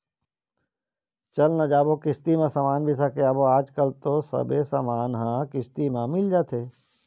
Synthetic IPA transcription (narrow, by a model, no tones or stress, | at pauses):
t͡ʃɐlnad͡ʒaːbokɪst̪imãsamaːnbʱisakeaːboaːd͡ʒkəlt̪osɐ̰besa̰maːnɦãkɪst̪imãmɪld͡ʒaːt̪ʰeː